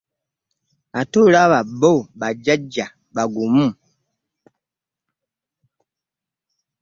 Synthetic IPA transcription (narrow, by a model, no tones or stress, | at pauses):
atolaβabobad͡ʒad͡ʒa | baɡumum